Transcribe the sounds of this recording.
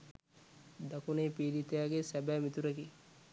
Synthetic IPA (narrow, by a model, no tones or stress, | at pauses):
d̪akunepiːɾit̪ejaɡesæbæːmit̪uɾɐki